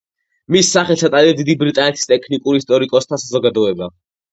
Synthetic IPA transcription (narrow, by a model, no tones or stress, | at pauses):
misːaχɛlsat̪ʼaliɛd̪id̪ibɾit̪ʼanɛt̪ʰi̥st̪ʼɛkʰnikʼuɾist̪ʼɔɾikʼɔst̪ʰasazɔɡad̪ɔɛba